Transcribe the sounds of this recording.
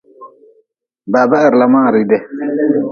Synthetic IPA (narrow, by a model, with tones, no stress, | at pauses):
ba˨ba˦ʔɪ˨ɾla˨mãː˦˨ɾi˦dɛ˦